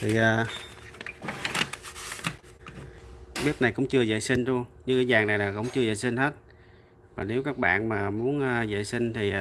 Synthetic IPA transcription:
t̪ʰi˨˩əː˨˩ | ɓi˦˥ət̚na˨˩jkʊ̰˧˥ŋ͡mt͡ɕɨ˧əzə̰ː˧˨jsi˧ŋzu˧əŋɲɨ˧ŋkəː˨˦zaː˨˩ŋna˨˩jlaː˨˩kʊ̰˧˥wŋ͡mt͡ɕɨ˧əzə̰ː˧˨jsï˧ŋ̟he˦˥t̚ | vaː˨˩ne˨˦wkaː˦˥k̚ɓa̰ː˧˨nmaː˨˩mu˨˦ənʔːzə̰ː˧˨jsi˧ŋ̟t̪ʰi˨˩

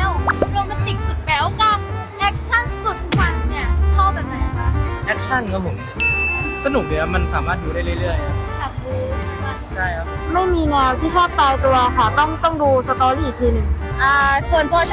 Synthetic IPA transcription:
wɔ˧˥ma˧nt̪i˨˩k̚su˨˩t̪̚bɛː˨˦wka˧˩k̚ | ʔɛ˦˥k̚t͡ɕʰa˥˩nsu˨˩t̪̚wa˧˩nni˥˩ɐt͡ɕʰɔː˥˩pbɛː˨˩p̚na˨˩ja˧˨˩ka˧˩ʔɛ˦˥k̚t͡ɕʰa˥˩nkʰa˥˩pʰo˨˩˦mi˧˩sa˧nu˨˩k̚ni˧˥˩ma˧nsaː˩˦maː˥˩t̪̚duː˧aː˥˩jɾɯ˥˩jɾɯ˥˩əjka˦˥˩k̪a˨˩p̚duː˧a˧˩t͡ɕʰa˥˩jkʰa˦˥ma˥˩jmiː˧nɛː˧wt̪ʰiː˥˩t͡ɕʰɔː˥˩p̚t̪aː˧jt̪u˧ɐkʰa˥˩t̪ɔ˥˩ŋt̪ɔ˥˩ŋduː˧sa˧t̪ɔː˧˦lːi˨˩t̪ʰiː˧nɯ˨˩ŋʔaː˨˩su˨˩ənt̪u˧ɐ

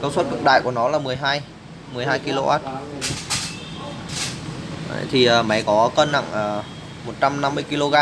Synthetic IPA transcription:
kəː˧˩wswə˦˥t̚kɨ̰˧˥k̚ɗa̰ː˧˨jku˧˩ənɔ˨˦laː˨˩mɨ˨˩əjɦaː˧j | mɨ˨˩əjɦaː˧jki˧lo˧ʔa̰ː˦˥t̚ | ə̰˨jt̪ʰi˨˩ʔəː˨˩ma˨˦jkɔ˨˦kə˧nːa̰˧˨ŋʔəː˨˩ | mo˨˩t̚t͡ɕa˧mna˧mːɨ˧əjki˧lo˧ɣaː˧

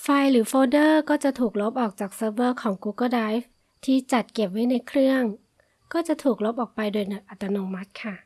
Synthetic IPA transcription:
fa˧jɾɯː˩˦foː˧dɤː˥˩kɔː˥˩t͡ɕa˨˩t̪ʰuː˨˩k̚lo˦˥p̚ʔɔː˨˩k̚t͡ɕaː˨˩k̚sɤː˧bɤː˥˩kʰɔː˩˦ŋkuː˧kɔː˥˩daː˧˥jf | t̪ʰiː˥˩t͡ɕa˨˩t̪̚ke˨˩p̚wa˦˥˩jna˧jkʰɾɯ˥˩əŋ | kɔː˥˩t͡ɕa˨˩t̪ʰuː˨˩k̚lo˦˥p̚ʔɔː˨˩k̚pa˧jdoː˧jnɯ˨˩k̚ʔa˨˩t̪ːa˧noː˧ma˦˥t̪̚kʰa˥˩

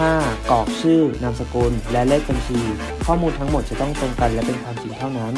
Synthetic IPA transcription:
aː˥˩kɔː˨˩k̚sʰɯː˥˩na˧msa˧ku˧nlɛ˦˥le˥˩k̚ba˧nt͡ɕʰiː˧ | kʰɔː˥˩muː˧nt̪ʰa˦˥ŋmo˨˩t͡ɕa˨˩t̪ɔ˥˩ŋt̪o˧ŋka˧nlɛ˦˥pe˧nkʰwaː˧mt͡ɕi˧ŋt̪ʰa˥˩wna˦˥n

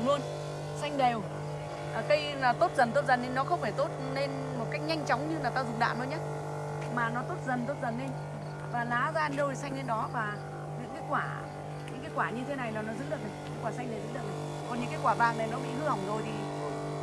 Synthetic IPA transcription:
lu˧ən | sa˧jŋ̟ɗe˨˩w | ʔːkə˨˦jaː˨˩t̪o˦˥t̚zə˨˩nt̪o˦˥t̚zə˨˩nɗe˧nɔ˨˦xə˧wŋ͡mfaː˧˩jt̪o˦˥t̚ne˧n | mo˨˩t̚ka˦˥jk̚ɲa˧jŋ̟t͡ɕaɔ˨˦wŋ͡mɲɨ˧naː˨˩wt̪aː˧zʊ˨˩ɗa̰ː˧˨mɗə˨˦ɲaː˦˥ | maː˨˩nɔ˨˦t̪o˦˥t̚zə˨˩nt̪o˦˥t̚zə˨˩nɗe˧ɲ | vaː˨˩laː˨˦zaː˧ɗə˧˩jsa˧jŋ̟ɗe˨˧nɗɔ˨˦vaː˨˩ | ɲɨ̰˧˥ŋkaː˨˦jkwaː˧˩ | ɲɨ̰˧˥ŋkaː˨˦jkwaː˧˩ɲɨ˧t̪ʰe˨˦na˨˩jlaː˨˩nɔ˨˦zɨ̰˧˥ɗɨ̰˨k̚na˨˩ja˨˦jkwaː˧˩sa˧jŋna˨˩jzɨ̰˨˦˥ɗɨ˨˩k̚na˨˩ | kɔ˨˩nɲɨ̰˧˥ŋkaː˨˦jkwaː˧˩vaː˨˩ŋna˨˩jnɔ˨˦ɓḭ˧˥hɨ˧ha˨˩wŋ͡mzo˨˩jt̪ʰḭ˨˩˧

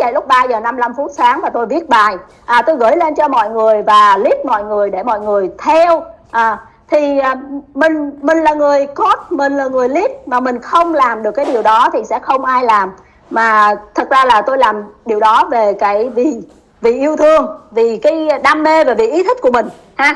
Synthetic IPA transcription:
a̰˧˨jlʊ˦˥k͡p̚ɓaː˧zəː˨˩na˧mla˧mfu˦˥t̚saː˨˦ŋmaː˨˩t̪o˧jvi˦˥ət̚ɓaː˨˩j | ʔaː˨˩t̪o˧jɣə̰˧˩jle˧nt͡ɕɔ˧mɔ̰˧˨jŋɨ˨˩əjvaː˨˩li˦˥p̚mɔ̰˧˨jŋɨ˨˩əjɗe˧˩mɔ̰˧˨jŋɨ˨˩əjt̪ʰɛ˧w | ʔaː˨˩ | t̪ʰi˨˩ʔːmï˨˩ŋ̟mï˨˩ŋ̟laː˨˩ŋɨ˨˩əjko˦˥t̚mï˨˩ŋ̟laː˨˩ŋɨ˨˩əjli˦˥p̚maː˨˩mï˨˩ŋ̟xə˧wŋ͡mlaː˨˩mɗɨ˨˩əkːaː˨˦jɗi˨˩əwɗɔ˨˦t̪ʰi˨˩sɛ̰˧˥xə˧wŋ͡mʔaː˧jlaː˨˩m | maː˨˩t̪ʰə˨˩t̚zaː˧laː˨˩t̪o˧jlaː˨˩mɗi˨˩əwɗɔ˨˦ve˨˩kaː˨˦jvi˧˨˩ | vḭ˧˨ʔi˧əwt̪ʰɨ˧əŋvi˨˩kaː˨˦jɗa˧mme˧vaː˨˩vḭ˧˨ʔi˨˦t̪ʰï˦˥k̟̚ku˧˩əmï˨˩ŋ̟ | haː˧

